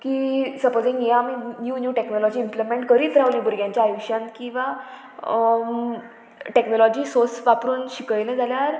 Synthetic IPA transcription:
kiːsəpod͡zĩŋɡẽaminjuːnjuʈeknɔlɔd͡ʑiːmplemẽɳʈkəɾiːt̪ɾaʋlĩbʱuɾɡjãɲt͡ɕjaːjuɕjãnkĩw̃ʋa | ʈeknɔlɔd͡ʑiːsosʋapɾuːnɕikɭlɛ̃d͡zaljaɾ

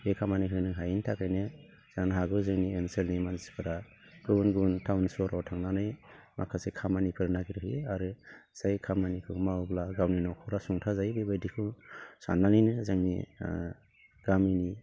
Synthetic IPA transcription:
ekʰamaniɦɯjnɯŋɦajintʰakajnɯ | z̥aŋnaɦaɡɯzɯŋnienselnimanzi̥kʰɯɾa | ɡ̥ɯnɡuntʰawnsɔɾawtʰaŋnanɯjma̰kʰasekʰamanipʰɯɾnaɡiɾɯɦiaɾɯz̥ajkʰamanikʰɯmablaɡawninɔkʰɔɾasuŋtʰazajbebajdikʰɯsa̰nːanijnɯzaŋnḭ | ɡ̥amini

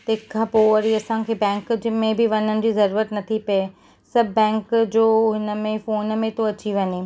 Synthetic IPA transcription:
t̪ɐɦkʰːapoːəɾiɐsãkʰeːbɛ̃ːŋkd͡ʑɪmẽbʱɪʋɐɲənɪ̆d͡ʑiːzɐɾuːɾət̪nɐt̪ʰipɐe | sɐbʱːɛ̃ːŋkd͡ʑoːɦɪnə̆mẽfoːnmẽt̪oɐt͡ɕiʋɐɲe

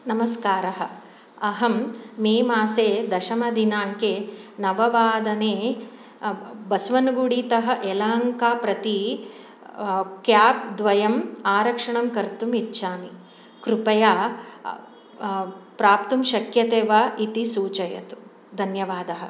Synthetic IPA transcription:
nɐmɐskaːɾɐɦɐ̆ | ɐɦɐmːeːmaːseːd̪ɐʃɐmɐd̪inaːŋkeːnɐʋɐʋaːd̪ɐneː | bɐsʋɐnɡuɽiːt̪ɐɦɐ̆ʔelaːŋkaːpɾɐt̪i | kjaːp̚d̪ʋɐjɐmaːɾɐkʂɐɳɐmkɐɾt̪umitːʃaːni | kɾupɐjaː | pɾaːp̚t̪umʃɐkjɐt̪eːʋaʔit̪isuːt͡ʃɐjɐ̰t̪u̥ | d̪ʱɐnjɐʋaːd̪ɐɦɐ̆

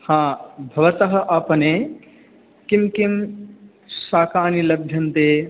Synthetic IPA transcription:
hãːbʱɐʋɐt̪ɐɦɐ̆ʔɐpɐne | kimkim | saːkaːnilɐb̚bʱjɐnt̪eː

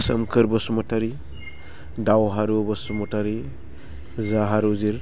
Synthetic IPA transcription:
sə̰mkʰɯɾbɔsumɔtaɾi | dawɦaɾubɔsumɔtaɾi | zaɦaɾuziɾ

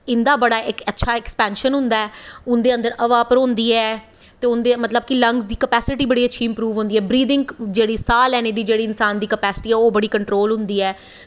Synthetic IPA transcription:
ɪnd̪aːbəɽaːʔɪkətːʃʰaːɛkspɛːnʃənɦʊ̃nd̪aːɛːʊnd̪eːə̃nd̪əɾəʋaːpəɾɦõnd̪iːɛː | t̪eːʊnd̪emət̪ləb̚kɪləŋɡsd̪iːkəpɛːsɪʈiːbəɽiːətːʃʰiːɪmpɾuːʋɦʊ̃nd̪iːɛːbɾiːd̪ɪ̃ŋɡd͡ʒeːɽiːsaːlɛːneːd̪iːd͡ʒeːɽiːɪnsaːnd̪iːkəpɛːsɪ̥ʈiːɛːoːbəɽiːkəɳʈɾoːlɦʊ̃nd̪iːɛː

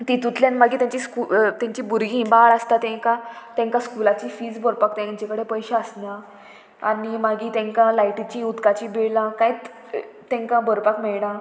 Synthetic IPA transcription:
t̪it̪ut̪ljanmaɡiːt̪jãɲt͡ɕiskut̪jãɲt͡ɕiːbuɾɡĩːbaɭast̪at̪ɛ̃ŋkãt̪ɛ̃ŋkãskulat͡ɕifiːd͡zbəɾpakt̪ãɲt͡ɕekəɽepəjɕaəsnã | animaɡiːt̪ɛ̃ŋkãlajʈit͡ɕĩut̪kat͡ɕibiɭlãkajt͡s | t̪ɛ̃ŋkãbəɾpakmɛɭnã

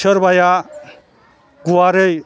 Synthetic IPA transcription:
ʌɾbaja | ɡuwaɾej

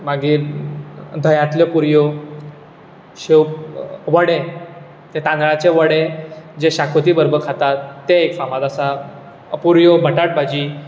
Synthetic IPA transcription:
maɡiːɾ | d̪ʱəjãt̪ljepuɾjo | ɕewʋəɽe | t̪et̪ãnɭat͡ɕeʋəɽed͡ʑeɕakʰot̪iːbəɾbəɾkʰat̪at̪ːeekfamat̪asa | puɾjobʱəʈaʈ̚bʱad͡ʑiː

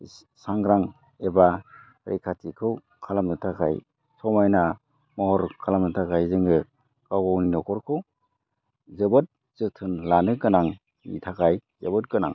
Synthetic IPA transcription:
saŋɡɾaŋ | eba | ɾḛjkʰatʰikʰɯw | kʰalamnɯtʰakʰa̰j | sɔmajna | mɔhɔɾkʰalamnɯtʰakʰajzɯŋɡɯ | kawɡɔwninɔkʰɔɾkʰɯw | zɯbɔt̚ | z̥ɯtʰɯnlanɯkɯnaŋ | nḭtʰakʰajzebɔt̚kɯna̰ŋ

